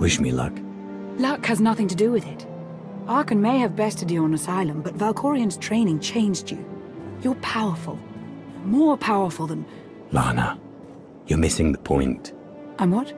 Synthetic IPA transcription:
wɪʃmḭlʌ̰k | lʌkhɨznʌθɪ̃ŋtɨdɨwɨðɪt | ɑɹkɨ̃nmeɪɨvbɛstʰɨdɨə̃nəsaɪlˠə̃mbʌtvalˠkʰɔɹiɨ̃nz̥tʰɹ̥ẽɪ̃nɪ̃ŋt͡ʃʰẽɪ̃nd͡ʒd͡ʒɨ̰ | jə˞pʰaʊə˞fəl̩ˠ | mɔɹpʰaʊə˞fl̩ˠðə̃n | lɑ̰nə̰ | jə˞mɪsɪ̃ŋðəpʰɔ̰̃ɪ̃nt | ʔãɪ̃mwʌt̚

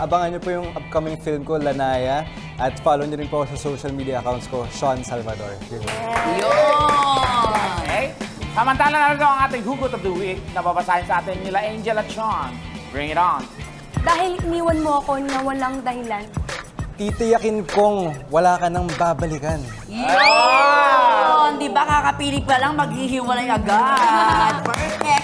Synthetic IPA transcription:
ʔɐbɐŋɐnɲopojʊŋʔɐp̚kɐmɪŋfilmko̞lɐnaːjɐ | ʔɐt̪faːlowɲoɾɪnpɐkosɐsowʃɐlmiːd̪ijɐʔɐkawnt̪sko̞ʃansalvɐd̪o̰ɹɪt̪jo | kejsɐmɐnt̪aːlɐnɐɾɐɡ̪ɐwɐŋʔaːt̪ɪŋhuːɡot̪ɐvd̪uwik̚nɐbabɐsaːhɪnsɐʔaːt̪ɪnːɪlɐʔend͡ʒɛlɐt̪̚t͡ʃanbɹɪŋɪɾawn | d̪aːɦɪlɪniːwɐnmoɐko̞nɐwɐlaŋd̪ɐhɪlant̪it̪ɪjɐkɪnkoŋwɐlaːkɐnɐŋbaːbɐlikɐn | jo | nd̪ɪbɐkakɐpiːlɪk̚pɐlɐŋmɐɡ̚hiɦiːwɐlɐjɐɡa

